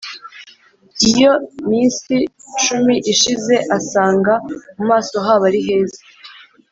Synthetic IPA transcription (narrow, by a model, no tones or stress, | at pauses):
ijo̞miːnsiʃumiʔiʃize̞ʔasaːŋɡamumaːso̞ɦaβaɾiɦe̞ːzḁ